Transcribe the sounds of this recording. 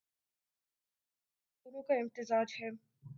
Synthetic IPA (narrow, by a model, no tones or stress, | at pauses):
ʊnũkaɪmt̪ɪzaːd͡ʒɦɛː